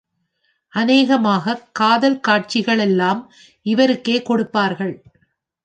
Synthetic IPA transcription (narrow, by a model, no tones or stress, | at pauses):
ʔɐneːɣɐmaːɣɐkːaːðɐlkaːʈ̚t͡ʃɪɣɐɭɛlːaːm | ʔɪʋɐɾɯkːeːkɔɽɯpːaːɾɣɐɭ